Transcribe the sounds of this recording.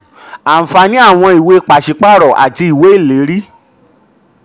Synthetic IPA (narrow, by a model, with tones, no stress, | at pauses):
ã˨fa˧nĩ˦a˦˨w̃ɔ̃˧i˨we˦k͡pa˨ʃi˨k͡pa˦˨ɾɔ˨ʔa̰˨ti˧i˨we˨˦i˦˨le˨˦ɾi˦